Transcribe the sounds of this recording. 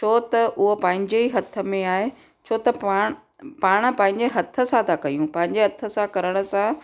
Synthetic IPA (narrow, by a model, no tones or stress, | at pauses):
t͡ɕʰoːt̪ɐʔʊɦopɐ̃ɦɪ̃ɲd͡ʑeiɦɐt̪ʰə̆mẽaːɦe | t͡ɕʰoːt̪ɐpaːɽ | paːɽ̃ə̆pɐ̃ɦɪ̃ɲd͡ʑeɦɐt̪ʰə̆sãt̪ʰakɐjũpɐ̃ɦɪ̃ɲd͡ʑeɦɐt̪ʰə̆sãkɐɾəɽ̃əsã